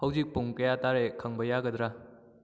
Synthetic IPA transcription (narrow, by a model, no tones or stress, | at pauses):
hawzik̚puŋkɐjataɾekʰaŋbɐjaɡɐd̪ɾa